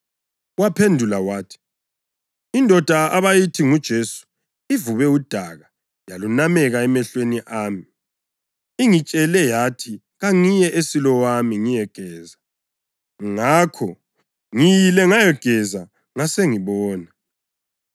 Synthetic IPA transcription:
uwapʰendʱulawaːtʰi̥ | indʱɔd̥ʱaaβajitʰiŋud̥ʒ̥ʱesu̥ | ivuβɛud̥ʱaɣa | jalunamɛɣaɛmɛɬweniʔaːmi | iŋit͡ʃʼɛlɛjatʰi | ɣaŋijɛʔesilɔwamiŋijɛɡ̥ʱɛːza | ŋakʰɔ | ŋijilɛŋajɛɡ̥ʱɛza | ŋaseŋiβɔːna

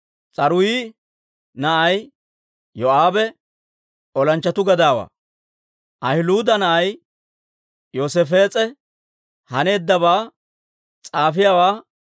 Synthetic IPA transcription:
t͡sʼɐɾʊjiː | nɐʔɐj | joaːbɛ | ɔlɐnt͡ʃːɐt̪ʊɡɐd̪aːwa̰ː | ʔɐhɪluːd̪ɐnɐʔɐj | joːsefe̞ːt͡sʼɛ | hɐne̞ːd̪ːɐbaː | t͡sʼaːfɪjaːwaː

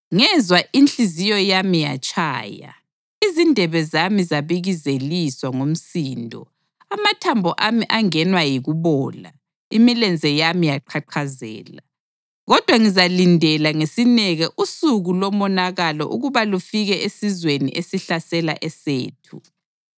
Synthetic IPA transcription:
ŋɛzwaʔint͡ɬizijɔjamija̰t͡ʃʼʰa̰ːja̰ | izindʱɛβɛzamizaβiɣizeliswaŋom̩siːndʱɔ̰ | amatʰambʱɔʔamiʔaŋɛnwajiɣuβɔːla̰ | imilɛnd͡zʱɛjamijaǃʰaǃʰazɛ̰ːla | ɣɔd̥ʱwaŋizalindʱɛlaŋesinɛɣɛʔusuɣulɔmɔnaɣalɔ̰ʔuɣuβalufiɣɛʔesizwenḭʔesiɬasɛla̰ʔɛseːtʰṵ

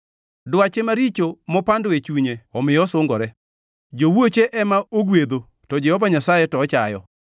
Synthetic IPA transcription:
dwat͡ʃemaɾit͡ʃomɔpandoet͡ʃuɲeɔmɪjɔsʊŋɡɔɾɛ | d͡ʒowot͡ʃeʔɛmaoɡwed̪o | tɔd͡ʒɛhɔvaɲasajetɔːt͡ʃajɔ

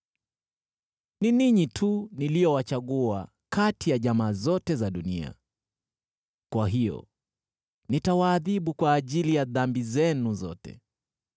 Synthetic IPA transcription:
niniɲitʰunilijɔwat͡ʃaɠua | katʰijaʄamaːzɔtɛzaɗunḭa̰ | kwaɦijɔ̰ | nitawaːðiɓukwaːʄilijaðambizɛnuzɔ̰tɛ̰

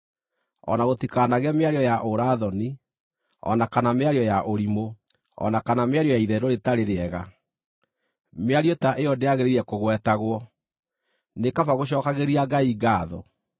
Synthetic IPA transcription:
ɔ̰naɣotikaːnaɣɛmeaɾjɔjaʔoɾaðɔni | ɔ̰nakanameaɾiɔjaʔoɾimo | ɔ̰nakanameaɾijɔjaiðɛɾoɾetaɾeɾeɛɣa | meaɾiɔtaʔeɔdeaɣeɾeɾiɛkoɣwɛtaɣwɔ | nekavaɣoɕ̬ɔːkaɣeɾiaɡaiɡaːðɔ̰

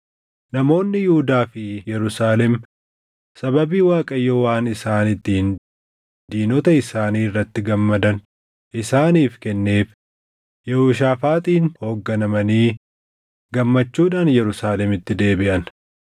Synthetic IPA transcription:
nɐmo̞ːnːɪjhʊd̪aːfɪjɛɾʊsaːlɛm | sɐbɐbiːwaːkʼɐjːɔwaːnɪsaːnɪt̪ːɪhɪn | d̪iːnɔt̪ɐɪsaːniːrːɐt̪ːɪɡɐmːɐd̪ɐn | ʔɪsaːniːfkɛnːe̞ːf | jɛhuːʃ̬aːfaːt̪ʼiːnho̞ːɡːɐnɐmɐniː | ɡɐmːɐt͡ʃːuːᶑaːnjɛɾʊsaːlɛmɪt̪ːɪd̪e̞ːbɪʔɐn

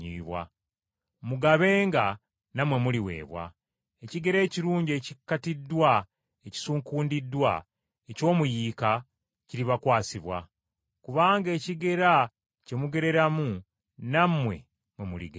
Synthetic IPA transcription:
iːβwa̰ | muɡaβe̞ːŋɡa | namwe̞muliwe̞̰ːβwa̰ | eciɡe̞ɾe̞ːciɾuːɲɟe̞ːcikːatidːwa | eci̥suːŋkuːndidːwa | eco̞ːmujiːka | ciɾiβakwaːsiβwa̰ | kuβaːŋɡe̞ːciɡe̞ɾa | ce̞muɡe̞ɾe̞ɾamu | namwe̞̰ | mwe̞mulḭɡe

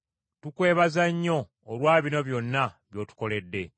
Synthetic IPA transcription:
tukwe̞ːβazaɲːo̞ː | lwaːβino̞βjo̞nːaβjo̞ːtu̥ko̞le̞dːe̞

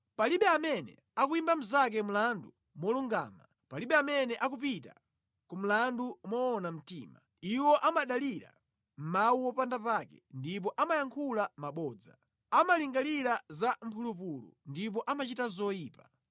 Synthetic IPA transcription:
paliɓɛamɛnɛ̰ | akuimbam̩zak̬ɛm̩landu | mɔluŋɡa̰ːma | paliɓɛamɛnɛʔakup̬ita̰ | kum̩landumɔːnam̩tḭːma | iwɔʔamaɗaliɾa̰ | m̩mawuwɔpandapakɛ̰ndip̬ɔʔamajaŋkʰulamaɓɔːd͡za̰ | amaliŋɡaliɾazam̩pʰulup̬ulṵndipɔʔamat͡ʃitazɔjiːpa

